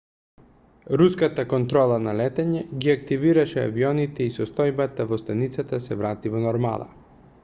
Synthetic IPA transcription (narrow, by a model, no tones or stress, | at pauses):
ɾuskat̪akɔnt̪ɾɔlˠanalɛt̪ɛɲɛɡiak̚t̪iviɾaʃɛa̰viɔnit̪ɛisɔst̪ɔjbat̪avɔst̪anit̪sat̪asɛvɾat̪ivɔnɔɾma̰lˠa̰